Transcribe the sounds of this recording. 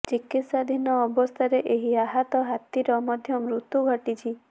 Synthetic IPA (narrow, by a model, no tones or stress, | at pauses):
t͡ʃikit̪sad̪ʱinɔːbɔst̪ʰaɾeʔeɦiaɦat̪ɔɦat̪ːiɾɔmɔd̪ʱjɔmɾut̪ːuɡʱəʈit͡ʃʰi